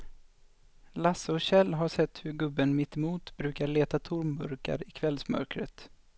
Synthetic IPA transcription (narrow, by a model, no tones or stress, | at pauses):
lasːəɔɕɛlːɦaʂɛt̪ːhɵɾɡɵbːənmɪt̪ːɛmuːt̪bɾʉ̟ːkaɭeːt̪at̪ʰʊɾmbɵ̰ɾka̰ɾɪkʰvɛlsmœ̰ɾkɾə̰t̪